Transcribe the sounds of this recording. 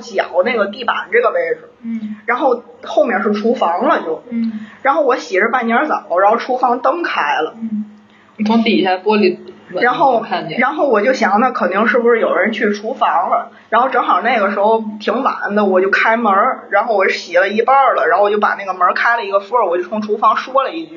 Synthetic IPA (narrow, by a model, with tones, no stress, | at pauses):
t͡ɕjɑ̰˨˩˦ʊna˥˩ɡə˩t̪i˥˩pa̰˨˩n˦ʈ͡ʂɤ˥˩ɡə˩ʋe˥˩ɪʈ͡ʂ̩˨˩ɻa˧˥nxo˥˧ʊxo˥˧ʊmjɛ˥˧nʂɻ̩˥˩ʈ͡ʂʰu˧˥fɑ˧˥ŋlə˧t͡ɕjo˥˩ʊɻa˧˥nxo˥˩ʊwɔ˧˥ɕi˨˩˥ʈ͡ʂə˧pa˥˩njə˧˥t͡sə̰˨˩˦ɻa˧˥nxo˥˩ʊʈ͡ʂʰu˧˥fɑ˧˥ŋt̪ɤ˥ŋkʰa˥ɪlə˩˨˧ | fʰo˥ŋt̪i˥˩a˥˧pwɔ˥li˧˩ɻa˧˥nxo˥˩ʊ˥˧ɻa˧˥nxo˥˩ʊwɔ˨˩t͡ɕjo˥˩ʊɕjɑ˨˩ŋt̪a˥˩kʰə˨˩nt̪i˥˧ŋʂɻ̩˥˩bu˩ʂɻ̩˥˩jo˨˩ʊɻə˧˥nt͡ɕʰy˥˩ʈ͡ʂʰu˧˥fɑ˧˥ŋlə˧ | ɻa˧˥nxo˥˩ʊʈ͡ʂɤ˧˥ŋxɑ˨˩ʊna˥˩ɪɡə˩ʂɻ̩˧˥xo˥˧ʊt̪ʰi˧˥ŋwa̰˧˩˥nd̪ə˧wɔ˨˩t͡ɕjo˥˩ʊkʰa˥ɪmə˧˥ɻa˧˥nxo˥˩ʊwɔ˩˥˩ɕi˨˩lə˧i˥˧pa˥˧˩lə˩ɻa˧n˥xt͡ɕo˥˩ʊpa̰˨˩na˥˩ɡə˩mə˞˧˥kʰa˥ɪlə˨i˧˥ɡə˧fɔ˥˩wɔ˨˩jo˥˧ʊfʰʊ˥˩ʈ͡ʂʰu˥fɑ˧˥ŋʂwɔ˥lə˨i˥˧t͡ɕy˥˩